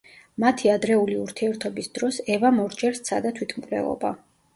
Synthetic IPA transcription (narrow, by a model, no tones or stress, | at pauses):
mat̪ʰiad̪ɾɛuliuɾt̪ʰiɛɾt̪ʰɔbisd̪̥ɾɔsɛvamɔɾd͡ʒɛɾst̪sʰa̰d̪at̪ʰwit̪ʰmkʼlɛ̰lˠɔ̰ba̰